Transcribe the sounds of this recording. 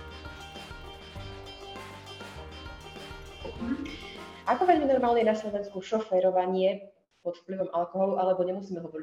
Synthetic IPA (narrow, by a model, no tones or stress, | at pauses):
ʔakɔʋɛɟmɛnɔɾmaːlniɛnaslɔʋɛnskuʃɔfɛɾɔʋaɲɪɛ | pɔt̪fpliʋɔmalkɔɦɔluʔalɛbɔɲɛmusiːmɛɦɔʋɔɾi